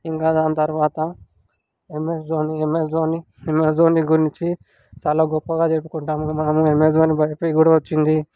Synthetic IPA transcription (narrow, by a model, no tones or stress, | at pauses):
iŋkaːd̪aːnɐt̪ɐɾuʋaːt̪ɐ | emesoːniemesoːni | emes̬oːniɡuɾint͡ʃi | t͡ʃaːlaːɡɔpːɐɡaːt͡ʃepːu̥kuɳʈaːmumɐnɐmuemes̬oːnibɐjɐpoːjiɡuɽaʋɐt͡ʃːind̪i